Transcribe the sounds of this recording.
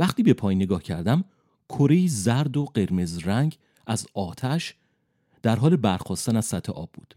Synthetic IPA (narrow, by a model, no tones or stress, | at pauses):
væχt̪iːbe̞pʰɒːjneɡɒːhcʰæɾd̪æm | kʰoɾejiːzæɾd̪oɢe̞ɾme̞zɾæŋɟ | ʔæzɒːt̪ʰæʃ | d̪̥æɾɦɒːle̞bæɾxɒːst̪ænæz̥sæt̪ʰːeʔɒ̰ːbːṵːd̪̥